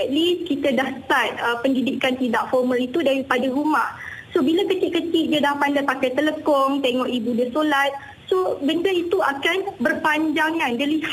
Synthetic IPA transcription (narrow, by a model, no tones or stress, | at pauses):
ɛt̪̚liskit̪adaht̪at̪̚əpəndidikant̪idaʔfɔrmə̃lit̪udaɾipadaɦumaʔsobilakət͡ʃɪʔkːət͡ʃɪʔ̚diadahpandapakajt̪ələkɔŋt̪eŋɔʔibudəsolat̪̚ | sobəndəit̪uakanbərpaɲd͡ʒaŋãndəlih